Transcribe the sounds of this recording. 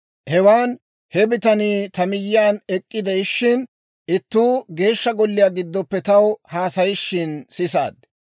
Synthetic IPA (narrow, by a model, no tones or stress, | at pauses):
hɛwaːn | hɛbɪt̪ɐniːt̪ɐmɪjːɪaːnɛkʼːɪd̪ɛjʃːɪn | ɪt̪ːuːɡe̞ːʃːɐɡɔlːɪjaːɡɪd̪ːɔpːɛt̪ɐwhaːsɐjɪʃːɪnsɪsa̰ːd̪̚